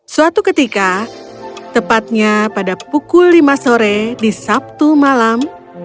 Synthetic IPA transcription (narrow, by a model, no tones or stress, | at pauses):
suat̪ukət̪ika | t̪əpat̪̚ɲapadapukulːimasoɾɛdisap̚t̪umalam